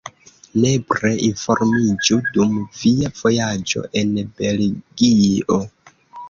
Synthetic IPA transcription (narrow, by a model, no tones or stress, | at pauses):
nepɾe̞info̞ɾmid͡ʒudumv̥iav̥o̞jad͡ʒo̞̰ʔe̞nbe̞lɡio